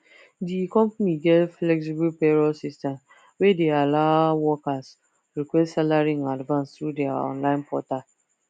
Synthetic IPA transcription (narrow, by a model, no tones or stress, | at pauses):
dikɔ̃mpaniɡɛtflɛks̬ibulpɛɹɔsistɛ̃m | wedealaʊwɔkas | ɹikwɛstsalaɹĩadvãnstɾudɛaɔ̰̃nlãɪ̃npʰɔtal